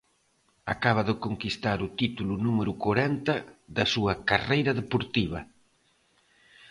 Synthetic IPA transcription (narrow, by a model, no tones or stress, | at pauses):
a̰kaβ̞ɐðɪkoŋkist̪aɾut̪it̪ulunumeɾukoɾɛnt̪ɐðɐsuɐkarejɾɐðepoɾt̪iβɐ